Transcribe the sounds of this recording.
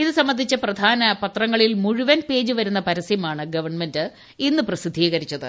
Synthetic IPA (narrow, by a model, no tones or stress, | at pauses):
iðɨsɐmːɐnd̪ʱit͡ɕːɐprɐd̪ʱaːnɐpɐt̪rɐŋːɐɭilmuɻiʋɐnpe̞ːd͡ʑɨʋɐɾunːɐpɐɾɐsijɐmaːɳɨɡɐʋɐrɳme̞ndɨ | inːɨprɐsid̪ʱiːɣɐɾit͡ɕːɐðɨ̰